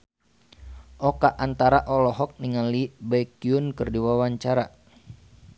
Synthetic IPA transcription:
ʔɔkaʔːnt̪aɾaʔɔlɔɦɔk̚niŋalibaikiunkɨrdiwawaɲt͡ʃaɾa

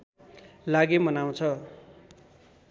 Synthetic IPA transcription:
laɡemʌnaw̃t͡sʰʌ

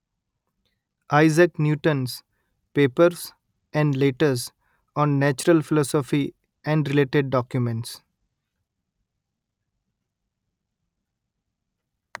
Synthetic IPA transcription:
ʔaɪzəknjuːʈə̃ns | peːpəɾs | ɛ̃ɳɖleːʈəɾz | ɔ̃ːnːæt͡ʃəɾəlfɪlɔːsɔfi | ɛ̃ɳɖɾɪleːʈeɖ̚ːɔːkjumẽɳʈs

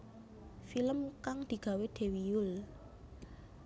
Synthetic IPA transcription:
filəmkaŋd̪̥i̤ɡ̥a̤wed̪̥e̤wijʊl

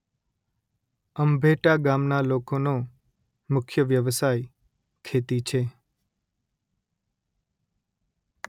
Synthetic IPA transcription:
əmbʱeʈaɡamnalokono | mʊkʰjəʋjəʋsaj | kʰet̪it͡ʃʰe

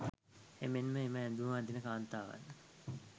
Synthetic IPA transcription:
emenməeməɛnd̪ud̪inəkaːnt̪aːʋa̰nːə

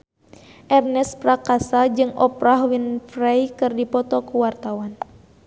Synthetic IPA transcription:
ʔɛrnɛspɾakasad͡ʒɨŋɔpɾahwinfrajkɨrdipɔt̪ɔkuwart̪awan

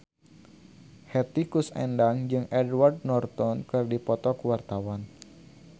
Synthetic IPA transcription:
hɛt̪ikusɛ̰ndaŋd͡ʒɨŋʔɛdward̚nɔrt̪ɔnkɨrdipɔt̪ɔkuwart̪awan

